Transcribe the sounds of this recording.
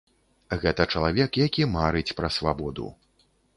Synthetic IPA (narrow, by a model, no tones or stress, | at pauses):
ɣɛt̪ɐt͡ʂɐlˠavʲɛkjakʲimaɾɨt͡sʲpɾɐsvabɔd̪ṵ